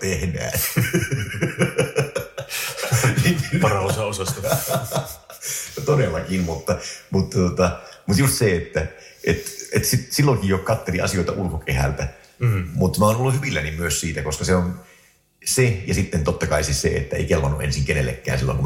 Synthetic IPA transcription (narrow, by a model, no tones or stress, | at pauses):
t̪ehnæ̰ː | nipɑrɑosɑosɑst̪ɑ | t̪odelːɑkinmut̪ːɑmut̪ːɑt̪ot̪ɑmut̪just̪seet̪ːæ | ʔet̪et̪ːsit̪silːoŋkijjokɑt̪ːeliʔɑ̰sioit̪ɑ̰ʔulkokehæ̰lt̪æ | mut̪ːmæoːnolːuhyʋilːænimyøssiːt̪ækoskɑseon | sejɑsit̪ːent̪ot̪ːɑkɑisissḛḛt̪ːæḛikelpɑnːuʔʔḛnsiŋkenḛlːḛkːæ̰ːnsilːo̰ŋkum